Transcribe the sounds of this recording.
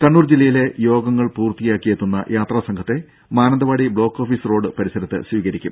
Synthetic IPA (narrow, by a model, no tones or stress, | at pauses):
kɐɳːuːrd͡ʑilːɐjile̞jo̞ːɡɐŋːɐɭpuːrt̪ijaːkːijet̪ːunːɐ̰jʔaːt̪raːsɐŋkʰɐt̪ːe̞ | maːnɐnd̪ɐʋaːɽibɭo̞ːkːo̞ːfisro̞ːɖɨpɐɾisɐɾɐt̪ːɨ̰sʋiːɣɐɾikʲːum